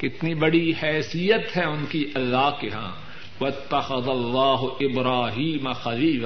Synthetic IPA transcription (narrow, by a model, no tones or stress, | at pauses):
kɪt̪nibɐɽihɛːsijət̪ɦɛʊnkiʔɐlːaːɦkeɦã̰ː | ʋɐɪt̪ːɐxɐðɐlːaːɦʊʔɪbɾaːɦiːmɐxɐliːla